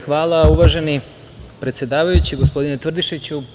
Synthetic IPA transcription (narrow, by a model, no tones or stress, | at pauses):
xʋaːlˠauʋaʒe̞ni | pɾe̞t̪sje̞d̪aːʋajut͡ɕiɡo̞spo̞d̪inet̪rd̪iʃet͡ɕu